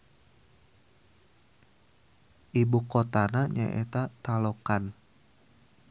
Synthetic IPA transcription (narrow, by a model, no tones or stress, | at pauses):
ʔibukot̪anaɲa̰ʔḛt̪at̪alokan